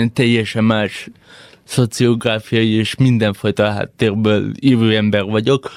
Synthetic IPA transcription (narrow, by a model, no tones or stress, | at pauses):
nt̪ɛjɛʃɛmaːʃ | sot͡sioɡɾaːfiɑjieʃmĩnd̪ɛnfojt̪oɦa̰t̪ːeɾbøliːɾøɛmbɛɾʋɔɟok